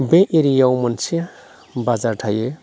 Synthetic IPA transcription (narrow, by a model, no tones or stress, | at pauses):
bẽʔeɾijawmɔnsʰia | bazaɾʈʰaje